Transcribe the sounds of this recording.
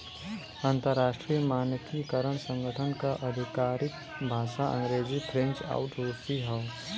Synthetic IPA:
ãːnt̪əɾːaːʃʈɾijəmaːnkikəɾəɳ̃sə̃ŋɡʱəʈʰənkaʔəd̪ʱɪkaːɾɪk | bʱaːʃaʔə̰̃ŋɡɾeːd͡ʒipʰɾẽnt͡ʃa̰ːʊʈɾoːsiɦaʊ

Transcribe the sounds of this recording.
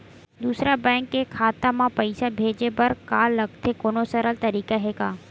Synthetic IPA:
d̪uːsɾabɛ̃ːŋkːekʰaːt̪amãpəɪsabʱeːd͡ʒebəɾkaːlɐɡ̚t̪ʰekoːnosəɾəlt̪ɐɾiːkaɦeːkaː

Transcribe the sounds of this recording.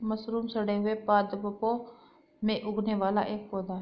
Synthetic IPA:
məsɾuːmsəɽeːɦʊeːpaːd̪pəpoː | mẽːʔʊɡneːʋaːla̰ːʔeːk̚poːd̪aː

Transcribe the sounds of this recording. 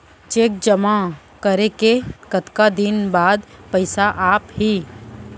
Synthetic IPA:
t͡ʃeːk̚d͡ʒəma | kəɾekekət̪kad̪ɪnbaːd̪pɐɪsaʔaːphiː

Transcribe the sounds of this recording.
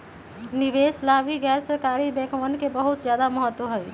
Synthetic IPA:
nibeslabiɡɛɾsəɾkaɾibekmənkebəɦut̪d͡ʒjad̪aməɦət̪ːwəɦəj

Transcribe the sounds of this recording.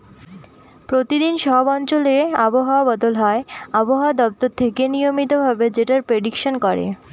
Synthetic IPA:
pɾot̪id̪inʃɔbɔnt͡ɕoleaboɦaabɔd̪olɦɔeaboɦaad̪ɔp̚t̪oɾt̪ʰːekenijomit̪obʱabed͡ʑeʈaɾpɾeɖikʃonkɔɾḛ

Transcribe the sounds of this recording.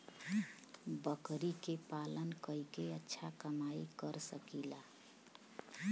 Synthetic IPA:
bəkɾikepalənkəikeətːʃʰakəmaikəɾsəkila

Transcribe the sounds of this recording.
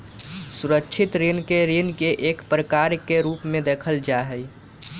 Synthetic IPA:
suɾəkt͡ʃʰɪt̪ɾinkeɾinkeʔeːkpɾəkaɾkeɾuːpmẽd̪eːkʰəld͡ʒaɦəj

